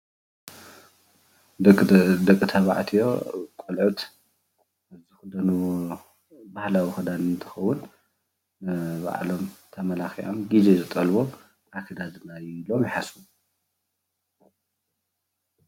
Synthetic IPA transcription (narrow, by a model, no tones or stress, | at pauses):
d̪ɐkʼːɨt̪ʰɐβa̰ʕt̪ʰijo̞kʼolʕut̪ | azixud̪ɐnu | bahlawixɐd̪annt̪ʰɨ̥xɐwʊn | ɨβa̰ʕ̰lomt̪ʰɐmɐlaxiʕomɡizezɨt̪ʼɐlβo | ʔakʰɐd̪azɨnajilomjɪħasu